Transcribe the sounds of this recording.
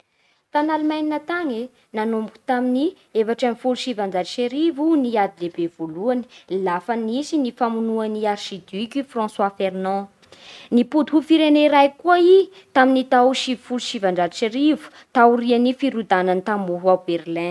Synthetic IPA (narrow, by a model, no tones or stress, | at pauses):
t̪analumajninat̪aŋe | nanumbuku̥t̪amini | efaʈ͡ʂamifuluʃivãnd͡ʒadiʃeɾivuniad̪ilebevoluani̥lafanisinifamunuaniarʃid̪ykʲifrɔ̃swafernɔ̃ | nipud̪uɦufiɾeneɾajkuai | t̪aminit̪awuʃivifuluʃivaɳɖ͡ʐadiʃeɾivu̥ | t̪awrianifiɾud̪anant̪amuɦuawb̥erlɛ̃